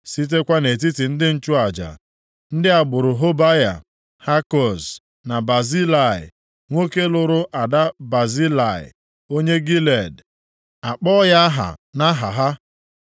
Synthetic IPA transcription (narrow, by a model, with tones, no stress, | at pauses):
si˦t̬e˦kʷa˦ne˨t̬i˦ti˨n̩˦dɪ˦n̩˦t͡ʃʊ˦a˨d͡ʒa̰˨ | n̩˦dɪ˦a˨ɡ͡bʊ˨ɾʊ˨ɦo˦ba˦ja̰˨ | ha˦kɔ˨s | na˨ba˨zi˦la˦˨ɪ̰˨ | ŋʷo˦ke˦lʊ˨ɾʊ˦ʔa˨da˦ba˨zi˦la˨ɪ̰˨ | o˦ɲe˦ɡi˦le˨d | a˨k͡pɔ˦ja˦ɦa̰˨na˦ɦa̰˨ɦa˦